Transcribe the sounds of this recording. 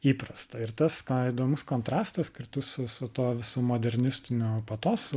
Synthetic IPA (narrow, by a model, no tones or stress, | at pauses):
iːpɾɐst̪ɐɪɾt̪ɐskid̪oːmʊskoːnt̪ɾɑːst̪ɐskʲɪɾt̪ʊssʊsʊt̪oːʋʲɪsuːmoːd̪ʲɛɾʲnʲɪsʲt̪ʲɪnʲoːpɐt̪oːs